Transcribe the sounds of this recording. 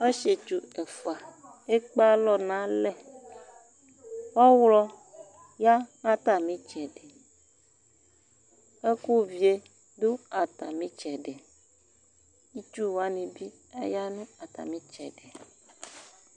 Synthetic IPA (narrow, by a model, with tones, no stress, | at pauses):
e˦ʃe˨t͡ʃu˨e˨fa˨ | e˦k͡pa˦lɔ˦nã˦lɛ˦ | wɔ˦wlɔ˦ | ja˦ŋã˦t̪a˨mĩ˦t͡ʃɛ˨ɖe˨ | e˦ku˦vi˨e˦ | du˦a˨t̪a˨mĩ˦t͡ʃɛ˨ɖe˨ | i˦t͡ʃu˦wa˦nĩ˨bi˦ | a˦ja˦nũ˦a˨t̪a̰˨mĩ˦t͡ʃɛ˨ɖe˨